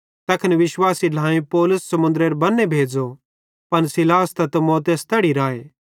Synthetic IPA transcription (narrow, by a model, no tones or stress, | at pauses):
t̪ɐkʰnʋɪʃwaːsilʱãːẽpɔːlʊsːɐmʊ̃nd̪ɾeɾbɐnːebʱeːd͡zo | pɐnsɪlaːst̪ɐt̪ɐmɔːt̪̬est̪ɛːɽiɾaːe